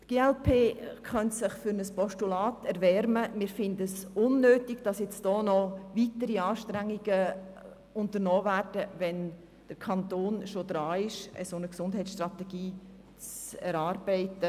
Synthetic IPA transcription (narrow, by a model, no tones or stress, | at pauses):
tɡ̥eːɛlpʰeːkχœntsɪχfʏɾnəspɔʃtulɑːtɛɾʋɛɾməmɪːɾfɪndəəsʊnːøːtiɡ̥d̥ɑsjɛt͡sd̥ɔːnɔvitəɾiɑːʃtɾæŋːiɡə | ʊntəɾnɔːvæːrd̥əʋɛn | d̥əɾkʰɑntoːnʃod̥ɾɑːɪʃə̰sonəksʊndɦɛɪt͡ssʃtɾrɑtɛɡ̥iː | t͡sɛɾɑːɾb̥ɛɪtə